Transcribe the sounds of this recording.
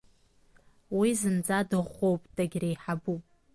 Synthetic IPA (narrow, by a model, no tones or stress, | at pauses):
wizɨnd͡zʼadɨʁːʷowpʼd̥ʼaɡʲrejħabupʼ